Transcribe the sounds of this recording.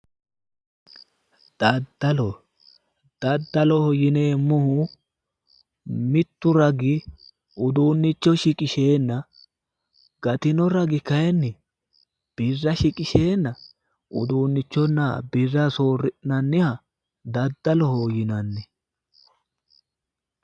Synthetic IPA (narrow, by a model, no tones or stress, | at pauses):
d̪̥ɐd̪ːɐlɔ | d̪̥ɐd̪ːɐlɔhɔjɪneːmːʊhʊ | mɪt̪ːʊɾɐɡɪ | ʊd̪uːnːɪt͡ʃːɔʃɪkʼɪʃe̞ːnːɐ | ɡ̥ɐt̪ɪnɔɾɐɡɪkɐjɛnːɪ | b̥ɪrːɐʃɪkʼɪʃe̞ːnːɐ | ʊd̪uːnːɪt͡ʃːɔnːɐbɪrːɐso̞ːrːɪʔnɐnːɪhɐ | d̪ɐd̪ːɐlɔhɔjɪnɐnːɛ